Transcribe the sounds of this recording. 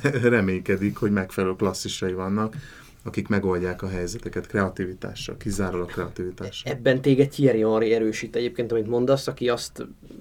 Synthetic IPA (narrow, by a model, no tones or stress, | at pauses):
rɛmeːɲkɛd̪ikho̞ɟmɛkfɛlɛølklɒsːiʃɒjivɒnːɒk | ɒkikmɛɡo̞lɟaːkɒɦɛjzɛt̪ɛkɛt̪krɛɒt̪ivit̪a̰ːʃːɒ̰lkizaːɾolɒkrɛɒt̪ivit̪aːʃɛbːɛnt̪eːɡɛɟ̚ciɛɾijoɾiɛɾøːʃit̪ɛɟeːpkeːnt̪ɒmint̪mo̞nd̪ɒsɒkiɒst̪